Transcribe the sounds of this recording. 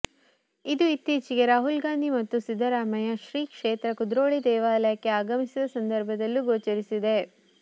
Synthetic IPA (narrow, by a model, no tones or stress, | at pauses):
id̪uit̪ːiːt͡ʃiɡe̞ɾaːɦulɡaːnd̪imɐt̪ːusid̪ʱːɐɾaːmɐjɐʃɾiːkʂeːt̪ɾɐkud̪ɾoːɭid̪ɛːʋaːlɐjɐkːe̞aːɡɐmisid̪ɐsɐnd̪ɐɾbʱɐd̪ɐlːuɡoːt͡ʃɐɾisid̪e̞